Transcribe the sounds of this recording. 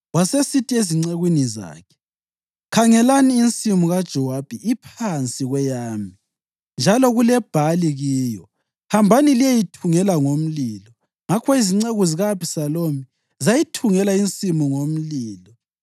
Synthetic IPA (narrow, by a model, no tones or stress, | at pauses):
wasesitʰʼieziŋ͡ǀeɣwiniza̰ːkʰɛ̥ | kʰaŋɛlaniːnt͡sʼimuɣad̥ʒ̥ʱɔwab̥ʱiipʰant͡sʼiɣwɛjaːmi | nd͡ʒʱalɔɣulɛb̥ʱaliɣiːjɔ | hambʱanilijejitʰuŋɛlaŋom̩liːlɔ | ŋakʰɔiziŋ͡ǀeɣuziɣapʰi̥salomi | zajitʰuŋɛlaint͡sʼimuŋom̩liːlɔ